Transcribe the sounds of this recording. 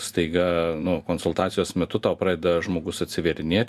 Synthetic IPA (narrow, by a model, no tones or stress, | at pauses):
st̪ɐɪɡɐnʊkoːnsʊlˠt̪ɑːt̪sʲɪjoːsmʲɛt̪ʊt̪ɑʊpɾɑːdʲeːd̪ɐʒmoːɡʊsɐt̪ʲsʲɪʋʲɛɾʲɪnʲeɛtʲ